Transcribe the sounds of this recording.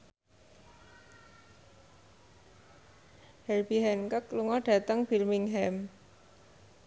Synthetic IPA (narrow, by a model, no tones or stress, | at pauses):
hɛlbiɦɛnkəkluŋɔɖ̥a̤t̪əŋfilmɪŋɦɛm